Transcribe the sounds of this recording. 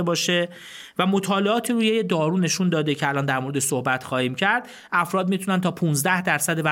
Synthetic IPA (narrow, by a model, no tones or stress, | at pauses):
ebɒːʃe̞ | væmo̞t̪ʰɒːleʔɒːt̪ʰiːɾuːjejed̪ɒːɾuːne̞ʃund̪ɒːd̪ecʰeælɒːnd̪æɾmoɾe̞d̪esohbæt̪ʰxɒːhiːmcʰæɾd̪̥ | ʔæfɾɒːd̪miːt̪ʰunænt̪ʰɒːpʰunzd̪æhd̪æɾsæd̪evæ